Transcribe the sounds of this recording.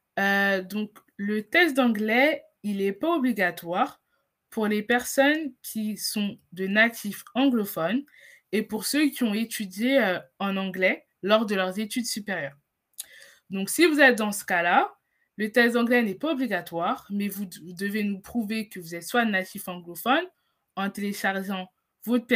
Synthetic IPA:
ød̪ɔ̃k | lət̪ɛksd̪ɑ̃ɡlɛ | ilɛpaobliɡat̪waʁ | puʁlepɛʁsɔnkʲʰisɔ̃d̪ənat̪ʰifɑ̃ɡlɔfɔn | epuʁsøkʲiɔ̃et̪yd̪jeøɑ̃nɑ̃ɡlɛ | lɔʁd̪əlœʁzet̪yd̪sypeʁjœːʁ | d̪ɔ̃ksivuzɛt̪̚d̪ɑ̃sə̥kala | lət̪ɛkst̪ɑ̃ɡlɛnɛpaobliɡat̪waʁmɛvud̪əvenupχuvekəvuzɛt̪swaənat̪ifɑ̃ɡlɔfɔn | ɑ̃t̪eleʃaʁʒɑ̃ | vop

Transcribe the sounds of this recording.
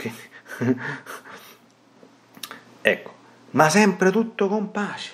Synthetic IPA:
i | ɛkːo̥ | masɛmpɾɪt̪ut̪ːokompaʃ

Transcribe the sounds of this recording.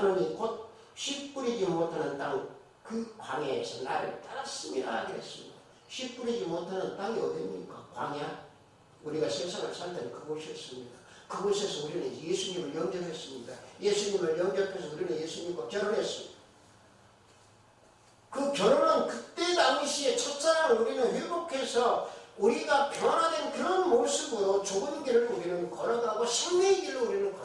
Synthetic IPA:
anɯɲikot̚ | ɕʰip̚k͈uɾid͡ʑimotʰanɯntaŋ | kɯkwaŋeesʰʌna̰ɾɯ̰ɭt͈aɾas͈ɯmɲiɾahaɡiɾe̞̰s͈ɯmɲḭd̰da | ɕʰip̚k͈uɾid͡ʑimotʰanɯntaŋiʌdeɲiikakwaŋa | uɾiɡasʰeŋsʰaŋɦaɭsʰantʰenɯnkɯɡoɕʰiʌs͈ɯmɲida | kɯɡosʰesʰʌuɾinɯnjesʰuɲimɯɭjʌŋd͡ʑʌɾʰes͈ɯmɲidaje̞sʰuɲimɯɭjʌŋɡjʌpʰes̬ʰʌuɾinɯnje̞sʰuɲimɡwakjʌɾoɾɦe̞s͈ɯmɲid̥a | kɯkjʌɾoɾɯnkɯt͈e̞daŋiɕʰie̞t͡ɕʰʌt̚t͡ɕ͈aɾanuɾinɯnjibokʰe̞sʰʌuɾiɡapjʌnadwenkɯɾʌnmoɭs͈ɯbodot͡ɕoɡɯnɡiɾɯɭkoɡinɯnkʌɾʌnaɡoɕʰiŋneinɡiɾouɾinɯnkʌ

